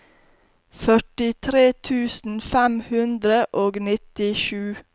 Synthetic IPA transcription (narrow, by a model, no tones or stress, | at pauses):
fœʈɪt̪ʰɾeːt̪ʰʉːsn̩fæmhʉnd̪ɾəʔoːɡnɪt̪ɪʃʉː